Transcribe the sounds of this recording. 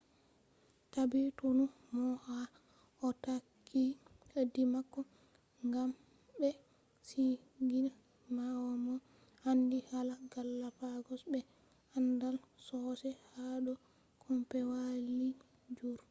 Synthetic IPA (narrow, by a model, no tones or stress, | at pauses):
tabitunu | mɔʔa | ɔtakʰːihədːimakːɔ | ŋɡam | bɛ | si | ɡin | mawɔmɔ | handihalaɡalːapaɡɔsbɛ | andalsɔsɛhaɗɔ | kʰɔmpɛwali | d͡ʒuɾ